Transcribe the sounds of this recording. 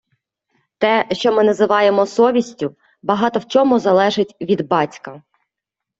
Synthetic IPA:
t̪ɛʃt͡ʃɔmɪnɐzɪʋɑjemɔsɔʋʲisʲtʲʊ | bɐɦɑt̪ɔwt͡ʃɔmʊzɐlˠɛʒɪtʲʋʲid̪bɑtʲkɐ

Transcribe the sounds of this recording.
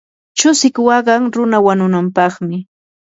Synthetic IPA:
t͡ʃʊsɪkwɑɢɑŋɾʊnawanʊnampɑχmɪ

